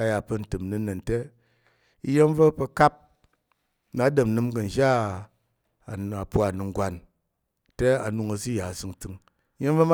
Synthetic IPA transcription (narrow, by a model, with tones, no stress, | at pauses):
a˧ja˨pɐ˧n̩˨tɨ˨mnɨ˧˦nɐ˨n˨te˦ | i˧je˦mvɐ˦pɐ˧ka˦p̚ | na˨˦dɨ˨m˨nɨ˧mɡɐ˨n̩˨d͡ʒa˦˨ | a˨pu˦a˨nɨ˨ŋ˦ɡʷa˨n | te˦a˨nu˧ŋɐ˧s̬i˦ja˨sɨ˧ŋt͡sɨ˧ŋ | i˦je˦mvɐ˦m˦